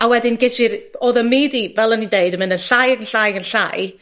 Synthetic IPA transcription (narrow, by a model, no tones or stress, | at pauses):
awɛdɪnɡɪʃɪɾɔðəmiːdivɛlˠənindeɨdəmɪnənɬajəɡənɬajɡənɬa̰j